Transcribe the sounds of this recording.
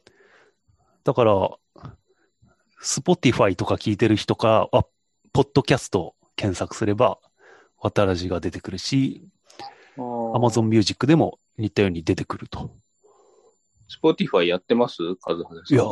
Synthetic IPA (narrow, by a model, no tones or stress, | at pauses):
d̪̥akaɾa | sɨ̥po̞t̪ʲiɸait̪o̞kakʲiːt̪e̞ɾɯ̟çi̥t̪o̞kaɾaβa | po̞d̪̥ːo̞kʲasɨ̥t̪o̞ | kẽ̞ɰ̃sakɯ̟̥sɨɾe̞ba | βat̪aɾaʑiɡad̪e̞t̪e̞kɯ̟ɾɯ̟ɕi | amazõ̞mːʲɨːʑikːɯ̟d̪e̞mo̞̰ | ɲ̟it̪ːajo̞ːɲ̟id̪e̞t̪e̞̥kɯ̟ɾɯ̟t̪o̥ | sɨ̥po̞t̪ʲiɸaijat̪ːe̞masɨkʰazɨhad̪aja